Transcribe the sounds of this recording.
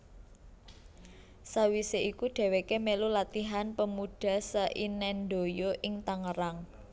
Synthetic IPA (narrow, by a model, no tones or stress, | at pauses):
sawiseʔikuɖ̪̥ɛ̤wekemelulat̪iɦanpəmuɖ̥a̤səʔinɛnɖ̪o̤joʔɪŋt̪aŋəɾaŋ